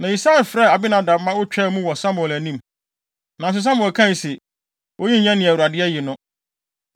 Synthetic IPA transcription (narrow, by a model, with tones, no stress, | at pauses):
nã˨i˨sa˦˨lfɾɛ˦˨a˨bi˦nã˨dã˨mː˦ã˦wʊ˦t͡ɕᶣɛ˦mũ˦wɔ˨sa˦mʊ˨ɛ˨læ˨nĩ˦m | nã˨s̬ʊ˨s̬ã˦m˨ɛ˨kʰã˦n˨sɛ˨ | ʔo˦ji˦ɲã˦nɪ̃˨æ˨wu˨ɾa˨dɪ˦ɛ˦jɪ˨nʊ̃˦